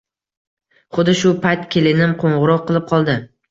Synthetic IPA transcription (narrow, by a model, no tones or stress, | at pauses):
χʊd̪ɪʃʊpʰat̪kʲʰelɪnɪmqʰoɴʁɨɾɒqːɨlˠɪp̚qʰɒlˠd̪ɪ